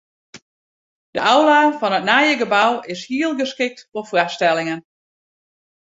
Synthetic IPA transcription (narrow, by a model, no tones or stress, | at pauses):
d̥əʔawlaːfɔnətnajəɡəbawɪshiəlˠɡəskɪk̚tfɔfrastɛlˠɪŋən